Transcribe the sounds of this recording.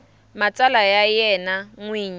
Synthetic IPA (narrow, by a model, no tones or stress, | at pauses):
mat͡sʼalajajɛnaŋwiːɲi